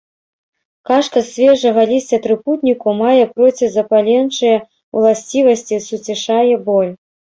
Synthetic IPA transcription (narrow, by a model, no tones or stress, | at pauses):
kaʂkɐsʲvʲɛʐɐɣɐlʲisʲt͡sʲɐt̪ɾɨput̪ʲnʲikumajɛpɾɔt͡sʲizɐpalʲɛnt͡ʂɨjɛ | w̰lˠasʲt͡sʲivɐsʲt͡sʲisut͡sʲɛʂajɛbɔlʲ